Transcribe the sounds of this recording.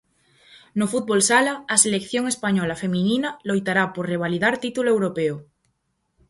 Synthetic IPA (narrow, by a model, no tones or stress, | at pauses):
nofut̪̚βolsalaːselekθjoŋespaɲɔlafe̞mĩninalojt̪aɾapoɾreβ̞aliðaɾt̪it̪uloewɾopeo